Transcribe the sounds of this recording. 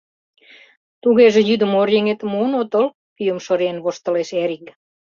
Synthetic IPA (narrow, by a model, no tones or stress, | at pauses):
t̪uɣeʒĕjyd̪ə̆morjeŋet̪munot̪ol | pyjəmʃoɾienβoʃt̪ə̆leʃeɾik